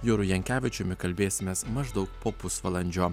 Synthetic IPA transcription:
joːɾʊjɛŋʲkʲæːʋʲɪt͡ʃʲʊmʲɪkɐlʲbʲeːsʲɪmʲeːsmɐʒd̪ɐʊk̚poːpʊsʋɐlˠɐnʲd͡ʒʲoː

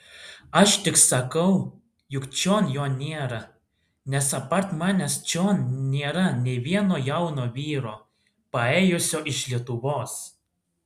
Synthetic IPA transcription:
ɐʃt̪ʲɪksɐkɐw | jʊkt͡ʃʲoːnjoːnʲeːɾɐ | nʲɛsɐpɐɾt̪mɑːnʲɛst͡ʃʲoːnnʲeːɾɐnʲeʋʲiɛnoːjɐwnoːʋʲiːɾoː | pɐeːjʊsʲoːʔɪʃlʲiɛt̪uʋoːs

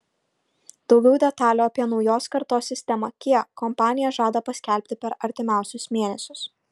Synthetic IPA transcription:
d̪̥ɒʊɡʲɛʊd̪ʲɛt̪ɑːlʲoːɐpʲiɛnɒʊjoːskɐɾt̪oːsʲːɪsʲt̪ʲɛmɐkʲiɛkkːɔmpɑːnʲɪjɛʒɑːd̪ɐpɐsʲkʲɛlʲpʲt̪ʲɪpʲɛɾɐɾʲt̪ʲɪmʲæˑʊsʲʊsmʲeːnʲɛsʲʊs

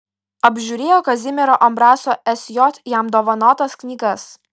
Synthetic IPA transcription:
ɐbʲʒʲuːɾʲeːjoːkɐzʲɪmʲɛɾoːʔɐmbɾɑːsoːʔɛsʲjɔt̪ʲjæmd̪oːʋɐnoːt̪ɐsknʲiːɡɐs

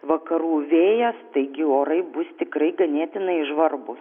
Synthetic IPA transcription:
ʋɐkɐɾuːʋʲeːjɛst̪ɐɪɡʲɪoːɾɐɪbʊst̪ʲɪkrɐɪɡɐnʲeːt̪ʲɪnɐɪɪʒʋɐrbʊs

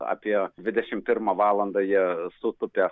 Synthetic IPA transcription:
ɑ̰pʲiɛd̪ʲʋʲɪd̪ʲɛʃʲɪmpʲɪɾmɐʋɑːlˠɐnd̪ɐjiɛsʊt̪ʊpʲɛ

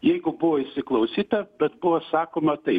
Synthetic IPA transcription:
jɛɪɡʊbʊʋoːɪʃsʲɪklˠɐʊsʲiːt̪ɐbʲɛt̪bʊʋosɑːkoːmɐt̪ɐɪ

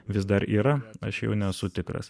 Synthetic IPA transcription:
ʋʲɪs̬d̪ɐɾiːɾɐɐʃjɛ̰ʊnʲɛsʊt̪ʲɪkɾɐ̰s

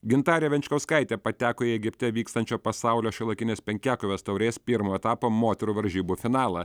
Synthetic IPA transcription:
ɡʲɪnt̪ɑːɾʲɛʋʲɛnʲt͡ʃʲkɐʊskɐɪt̪ʲeːpɐt̪ʲæːkoːiɛɡʲɪpʲt̪ʲɛʋʲiːkst̪ɐnʲt͡ʃʲoːpɐsɑʊlʲoːʃʲɪlˠɐkʲɪnʲeːspʲɛŋʲkʲæːkoʋʲeːst̪ɐʊɾʲeːspʲɪɾmoːɛt̪ɑːpoːmoːt̪ʲɛɾuːʋɐɾʲʒʲiːbuːfʲɪnɑːlˠɐ

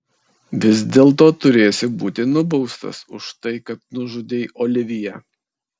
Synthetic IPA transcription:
ʋʲɪzʲd̪ʲeːlˠt̪oːt̪ʊɾʲeːjsʲɪbuːt̪ʲɪnʊbɒʊst̪ɐ̰sʊʃt̪ɐɪkɐt̪̚nʊʒʊd̪ʲeːjʔoːlʲɪʋʲɪjɛ

